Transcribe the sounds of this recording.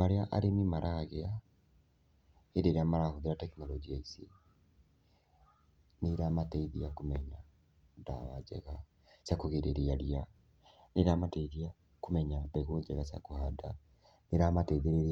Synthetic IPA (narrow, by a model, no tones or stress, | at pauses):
aɾeaʔa̰ɾenimaɾʔaɣea | eɾeɾeamaɾahoðeɾatɛknɔlɔd͡ʒiaisḛ | neɾamatɛiðiakumɛɲa | da̰βad͡ʒɛ̰ɣa | sakoɣeɾeɾiaɾia | neɾamatɛiðia | kumɛɲaβɛɣoːɲd͡ʒɛɣasa̰kuhada | neɾamatɛðeɾeɾ